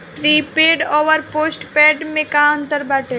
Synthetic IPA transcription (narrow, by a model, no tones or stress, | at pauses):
tɾiːpeːɖoːʋəɾpoːsʈpɛːɖmẽkaə̃nt̪əɾbaːʈe